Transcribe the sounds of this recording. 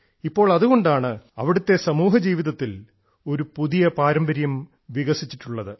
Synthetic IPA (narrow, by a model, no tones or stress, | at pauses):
ipːo̞ːɭɐðuɣo̞ɳɖaːɳɨɐ̰ʋiɽut̪ːe̞sɐmuːɦɐd͡ʑiːʋiðɐt̪ːil | o̞ɾupuðijɐpaːɾɐmbɐɾjɐm | ʋiɣɐsit͡ɕːiʈːuɭːɐðɨ